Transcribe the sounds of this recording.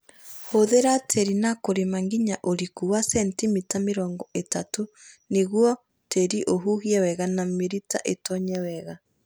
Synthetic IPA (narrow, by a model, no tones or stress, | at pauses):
hoðeɾatʰeɾinakoɾemaŋɡiɲaʔoɾikuwasɛntimitameɾɔːŋɡɔetato | neɣwɔ | teɾiʔoɦuɣiɛwɛɣanameɾita̰ʔetɔɲɛwɛɣa